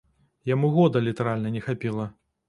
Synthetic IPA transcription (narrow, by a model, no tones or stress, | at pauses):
jamuɣɔd̪ɐlʲit̪ɐɾalʲnɐnʲɛxapʲilˠɐ